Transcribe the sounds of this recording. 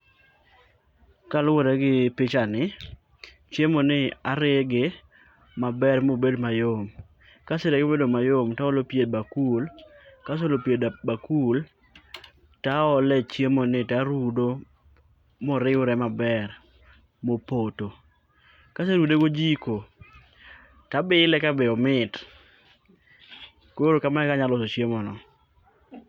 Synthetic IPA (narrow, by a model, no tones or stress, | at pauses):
kalʊɾɛɡɪpɪt͡ʃanɪ | t͡ʃemonɪaɾɪɡɪ | mabɛɾmobedmajom | kaseɾɛɡbedomajomtaɔlopjed̚bakulkas̬olopjedbakul | taɔlɛt͡ʃjemonɪtaɾudo | mɔɾɪʊɾɛmabɛɾ | mopoto | kaseɾudeɡod͡ʒiko | tabɪlɛkabɛɔmɪt | koɾokamaɛkaɲalɔsot͡ʃjemɔnɔ